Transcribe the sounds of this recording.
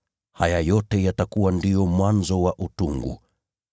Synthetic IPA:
hajajɔtɛjatakuwandijɔmwanzɔwaʔutṵŋɡṵ

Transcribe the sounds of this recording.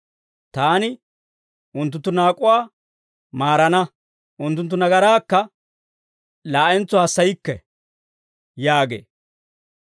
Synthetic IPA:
t̪aːnɪ | ʔʊnt̪̬ːʊnt̪ːʊnaːkʼʊwaː | maːɾɐnɐ | ʔʊnt̪ːʊnt̪ːʊnɐɡɐɾaːkːɐ | laːʔɛnt͡sːɔhɐsːɐjɪkːɛ̰ | jaːɡḛː

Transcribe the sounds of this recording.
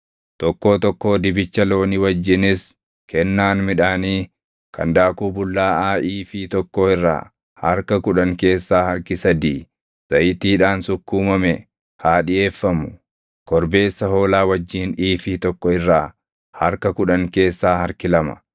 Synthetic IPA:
t̪ɔkːo̞ːt̪ɔkːo̞ːd̪ɪbɪt͡ʃːɐlo̞ːnɪwɐd͡ʒːɪnɪs | kɛnːaːnmɪᶑaːniː | kɐ̰nd̪aːkuːbʊlːaːʔaːʔiːfiːt̪ɔkːoːɪrːa̰ː | hɐɾkɐkʊᶑɐŋke̞ːsːaːhɐɾkɪsɐd̪iː | z̥ɐjɪt̪iːᶑaːnsʊkːuːmɐmɛ | haːᶑɪje̞ːfːɐmʊ̥ | kɔɾbe̞ːsːɐho̞ːlaːwɐd͡ʒːiːniːfiːt̪ɔkːɔɪrːaː | hɐɾkɐkʊᶑɐŋke̞ːsːaːhɐɾkɪlɐmɐ̥̰

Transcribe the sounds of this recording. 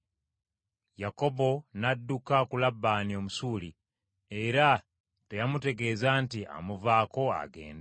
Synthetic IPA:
jako̞bo̞nadːukakulabːaːnio̞musuːli | e̞ɾa | te̞jamute̞ɡe̞ːzaːntia̰muvaːko̞a̰ɡe̞̰ːnd

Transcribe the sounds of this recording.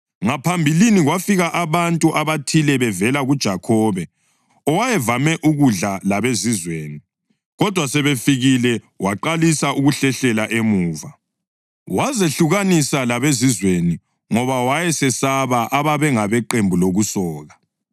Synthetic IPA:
ŋapʰambʱiliniɣwafiɣaʔaβantʼuʔaβatʰilɛβɛvɛlaɣud̥ʒ̥ʱakʰɔːβɛ | ɔwajɛvamɛʔuɣuɮalaβezizweːni | ɣɔd̥ʱwasɛβefiɣilɛ | waǃalisaʔuɣuɬɛɬɛlaʔemuːva | wazeɬuɣanisalaβezizweni | ŋɔβawajɛsɛsaβaʔaβaβɛŋaβɛǃembʱuloɣusɔːɣa

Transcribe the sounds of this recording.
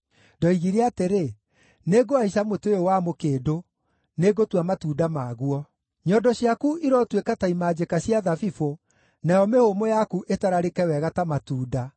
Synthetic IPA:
dɔiɣiɾɛateɾe | neɡoaiɕ̬amoteeowamokeːdo | neɡotwamatuːdamaːɣuɔ | ɲɔdɔɕiakuʔiɾɔtwekataimad͡ʑekaɕiaðafifo | najɔmehomojakuʔetaɾaɾekɛwɛɣatamatuːda

